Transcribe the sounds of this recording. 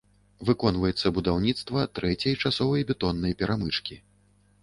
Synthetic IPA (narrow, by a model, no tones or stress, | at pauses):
vɨkɔnvɐjɛt̪sːɐbud̪awnʲit̪st̪vɐt̪ɾɛt͡sʲɐjt͡ʂasɔvɐjbʲɛt̪ɔnːɐjpʲɛɾʔamɨt͡ʂkʲi